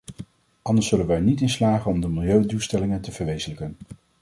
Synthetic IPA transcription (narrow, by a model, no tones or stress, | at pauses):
ɑndəɹsɵlənʋəɛɹnitɪnslaːχənɔmdəmɪlˠjøɥdulˠstɛlɪŋəntəv̥əɹʋejzələkən